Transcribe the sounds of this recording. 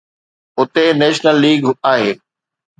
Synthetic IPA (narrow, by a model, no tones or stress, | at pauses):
ʊt̪enɛːʃnəlːiːɡaːɦeː